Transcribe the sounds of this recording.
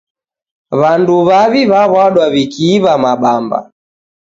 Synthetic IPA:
βanduβaβiβaβwaɗwaβikiːβamaɓamba̰

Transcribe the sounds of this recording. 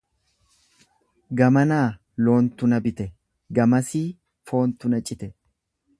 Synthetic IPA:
ɡɐmɐnaː | lo̞ːnt̪ʊnɐbɪt̪ɛ | ɡɐmɐsiː | fo̞ːnt̪ʊnɐt͡ʃʼɪt̪ɛ

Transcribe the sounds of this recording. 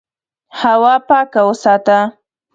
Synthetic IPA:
hawɑpɑkawəsɑt̪a

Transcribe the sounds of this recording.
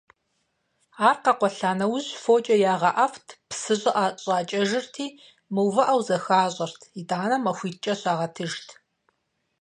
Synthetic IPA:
aːrqɐqʷɔɬaːnɐwʑfoːt͡ʃʼɐjaːʁɐʔɐftʰpsɨʑʼɨʔaːɕʼaːt͡ʃʼɐʒɪrtʰiː | mɨwvɐʔɐwzɐxaːɕʼɐrtʰidaːnɐmɐxʷiːt͡ʃʼɐɕaːʁɐtʰɨʒtʰ

